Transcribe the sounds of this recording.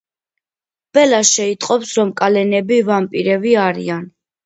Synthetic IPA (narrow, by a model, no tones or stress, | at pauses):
b̥ɛlaʃɛit̪ʼqʼɔpsɾɔmkʼalɛnɛbivampʼiɾɛviaɾḭan